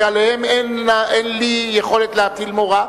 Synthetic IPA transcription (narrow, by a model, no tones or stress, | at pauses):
alehemenenlijeχolɛt̪leatilmoʁa